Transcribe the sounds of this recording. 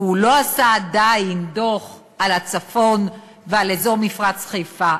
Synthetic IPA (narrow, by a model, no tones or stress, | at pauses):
ulo̞asaːd̪ajind̪o̞χ | alat͡safo̞n | vealezo̞ʁmifʁat͡sχejfa